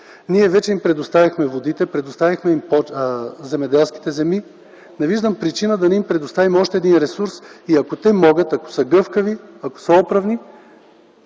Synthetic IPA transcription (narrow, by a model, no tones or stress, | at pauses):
niɛvɛt͡ʃɛimpɾɛd̪ost̪avʲixmɛvod̪it̪ɛpɾɛd̪ost̪avʲixmɛimpozɛmɛd̪ɛlˠsk̟i̥t̪ɛzɛmi | nɛviʒd̪əmpɾit͡ʃinəd̪ɐnɛimpɾɛd̪ost̪avimɔʃt̪ɛːd̪inɾɛsuɾsiɐkot̪ɛmɔɡət̪ɐko̥səɡɤfkəviɐko̥səɔpɾɐvni